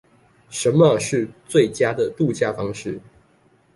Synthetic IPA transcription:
ʂə˨˦nmə˨ʂɻ̩˥˨t͡swe˥˩ɪt͡ɕja˥d̪ə˨t̪u˥˧t͡ɕja˥˩fɑ˥ŋʂɻ̩˥˩

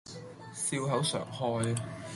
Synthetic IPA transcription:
siː˧wɦɐ˨˥wsœ̰ː˨˩ŋhɔː˧j

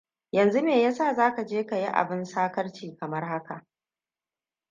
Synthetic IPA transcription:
jɐ˨nzu˦meː˨ja˦saː˦˨zaː˦ka˨d͡ʒeː˦ka˨ji˦ʔa̰˨bɪ˦nsaː˦kɐ˦rt͡ʃiː˨kɐ˨mɐ˦rɦa˦ka˨ʔ

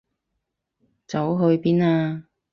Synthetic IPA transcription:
t͡sɐ˨˥wɦɵ˧ɥpiː˥naː˧

